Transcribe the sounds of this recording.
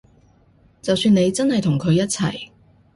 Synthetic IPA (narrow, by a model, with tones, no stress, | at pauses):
t͡sɐ˨wsyː˧ne˨˧jt͡sɐ˥nhɐ˨jt̪ʰʊ˨˩ŋkʰɵ˨˧ɥjɐ˥t̚t͡sʰɐ̰˨˩j